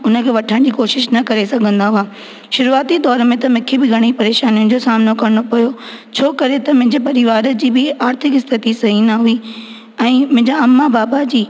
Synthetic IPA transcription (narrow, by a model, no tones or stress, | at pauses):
ʊnə̆kʰeːʋɐʈʰəɽ̃d͡ʑiːkoːʃɪʃnɐkɐɾesɐɡʱə̃nd̪aɦʊaː | ʃʊɾuaːt̪it̪ɔːɾmẽt̪ɐmʊ̃kʰebɪɡʱɐɽ̃ipɐɾeːʃaːnijʊnɪ̆d͡ʑosaːmnokɐɾəɽ̃opɐjo | t͡ɕʰoːkɐɾet̪ɐmʊ̃ɦɪ̃ɲd͡ʑepɐɾɪʋaːɾəd͡ʑiːbɪaːɾt̪ʰɪkɪst̪ʰɪt̪isɐɦinaɦui | ɛ̃ːmʊ̃ɦɪ̃ɲd͡ʑaɐmːabaːbad͡ʑiː